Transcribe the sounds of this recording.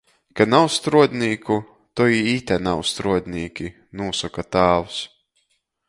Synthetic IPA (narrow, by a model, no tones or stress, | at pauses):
kanawst̪ɾuɔd̪ʲniːkʰu | t̪ɔiit̪ʲɛnawst̪ɾuɔd̪ʲniːkʲi | nuɔsɔkat̪aːwus